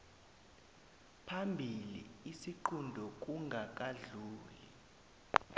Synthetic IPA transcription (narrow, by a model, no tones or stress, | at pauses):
pʰambʱilḭisiǃʰundʱɔk̬uŋʱak̬ʼaɮuːli